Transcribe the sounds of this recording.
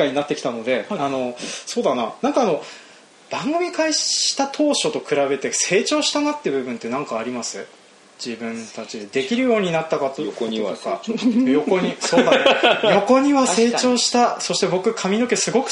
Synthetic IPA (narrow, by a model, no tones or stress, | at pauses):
aɲ̟inat̪ːekʲi̥t̪ano̞d̪e̞ano̞so̞ːd̪ana̰nãŋkaːno | b̥ãŋɡɯ̟mʲikaiɕi̥t̪at̪ʰo̞ːɕo̞t̪o̞kɯ̟ɾabe̞t̪e̞se̞ːt͡ɕo̞ːɕi̥t̪anat̪ːebɯ̟bɯ̟̃nt̪ːe̞nãŋkaːɾʲimasɨ | d͡ʑibɯ̟̃nt̪at͡ɕid̪ed̪e̞kʲiɾɯ̟jo̞ːɲ̟inat̪ːakat̪ookajo̞koɲisod̪ajo̞ko̞ɲ̟iβase̞ːt͡ɕo̞ːɕi̥t̪aso̞ɕi̥t̪e̞bo̞kɯ̟kʰamʲino̞ke̞sɨɡo̞kɯ̟̥